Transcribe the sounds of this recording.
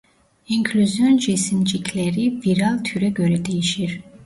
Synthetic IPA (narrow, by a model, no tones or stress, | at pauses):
iŋkʰlyzjɔnd͡ʒismd͡ʒikʰlɛɾiv̥iɾalˠt̪ʰyɾɛɡøɾɛd̪ɛjiʃiɾ